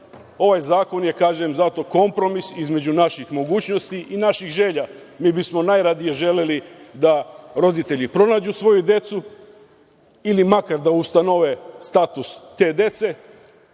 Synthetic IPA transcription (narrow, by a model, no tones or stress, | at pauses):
o̞ʋajzaːko̞nje̞kaːʒemzat̪o̞ko̞mpɾo̞misizme̞d͡ʑunaʃixmo̞ɡuːt͡ɕno̞st̪iʔinaʃixʒe̞ːʎa | miːbismo̞najɾad̪ije̞ʒe̞lelid̪aɾo̞d̪it̪e̞ʎipɾo̞naːd͡ʒusʋo̞jud̪je̞t̪su | ilimakaɾd̪aust̪ano̞ʋest̪at̪usːe̞ːd̪e̞t̪se̞